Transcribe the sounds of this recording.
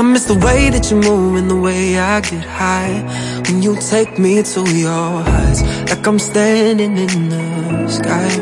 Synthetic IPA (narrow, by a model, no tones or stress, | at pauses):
ãɪ̃mɨsðəweɪðɨt͡ʃɨmuvɨ̃nðəweɪaɪɡɛt̚haɪ | wɨ̃njɨtʰeɪk̚mitujəaɪz̥laɪkãɪ̃mstæ̃ndɪ̃ŋɪ̃nðəskaɪ